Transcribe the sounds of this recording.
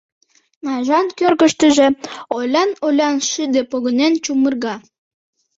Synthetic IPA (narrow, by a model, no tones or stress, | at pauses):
nɑʒɑnkørɣəʃt̪əʒeolʲɑnolʲɑnʃid̪epoɣənent͡ɕumərɣɑ